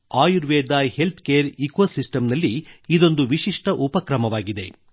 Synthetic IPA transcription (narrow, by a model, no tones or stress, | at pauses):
aːjuɾʋeːd̪ɐhe̞lt̪ʰkeːɐɾikosisʈɐmnɐlːiid̪o̞nd̪uʋiʃiʂʈɐʔupɐkɾɐmɐʋaːɡid̪e̞